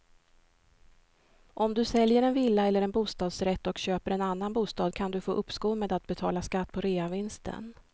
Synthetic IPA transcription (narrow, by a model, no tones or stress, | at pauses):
ʔɔmd̪ɵsɛljəɾɛnvɪlːaɛlːəɾɛnbuːst̪ɑːd̪sɾɛt̪ːɔkɕøːpəɾɛnanːanbuːst̪ɑːd̪kʰand̪ɵfo̰ːʔɵpːskuːmeːd̪at̪̚bɛt̪ʰɑ̰ːlaskat̪ːpʰɔɾeːavɪnst̪ʰə̰n